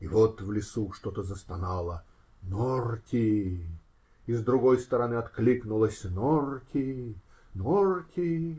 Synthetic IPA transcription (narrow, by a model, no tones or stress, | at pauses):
ivot̪vlʲɪsuʂt̪ot̪əzəst̪ɐnɑlˠə | norkʲɪ | ɪzd̪ɾʊɡojst̪əɾɐnɨɐt̪klʲiknʊlˠəsʲnorkʲʰɪ | norkʲɪ